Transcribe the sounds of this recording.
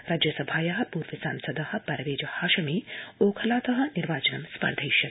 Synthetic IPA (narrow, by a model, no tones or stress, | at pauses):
ɾaːd͡ʒjɐsɐbʱaːjɐɦɐ̆puːɾʋɐsa̰ːmsɐd̪ɐhɐ̆pɐɾɐʋeːd͡ʒɐhaːʃɐmioːkʰɐlaːt̪ɐɦɐ̆niɾʋaːt͡ʃɐnɐmspɐ̰ɾd̪ʱɐjʃɐk